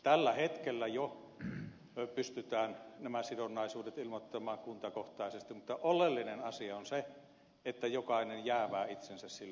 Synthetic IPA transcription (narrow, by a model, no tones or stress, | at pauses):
t̪ælːæhet̪kelːæjo | pyst̪yt̪æːnnæmæsidonːɑˑisuːdet̪ilmot̪ːɑmɑːŋkunt̪ɑkoht̪ɑˑesest̪immut̪ːɑʔolːˑelːinenɑsiɑonse | et̪ːæjokɑˑinenjæːʋæːit̪sensæssilː